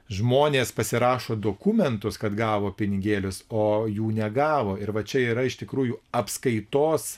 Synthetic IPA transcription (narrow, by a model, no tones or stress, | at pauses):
ʒmoːnʲeːspɐsʲɪɾɑːʃoːd̪oːkʊmʲɛnt̪ʊskɐt̪ɡɑːʋoːpʲɪnʲɪɡʲeːlʲʊsoːjuːnʲɛɡɑːʋoːɪɾʋɐt͡ʃʲɛiːɾɐɪʃt̪ʲɪkɾuːjuːɐpskɐɪt̪oːs